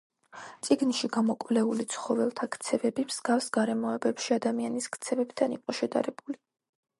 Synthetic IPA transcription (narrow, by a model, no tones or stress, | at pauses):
t̪sʼiɡnʃiɡamɔkʼvlɛulit̪sʰχɔvɛlˠt̪ʰakt̪sʰɛvɛbimz̥ɡafsɡ̥aɾɛmɔɛbɛpʃiad̪amianiskʰt̪sʰɛvɛbd̪ʰaniqʼɔʃɛd̪a̰ɾɛb̥uli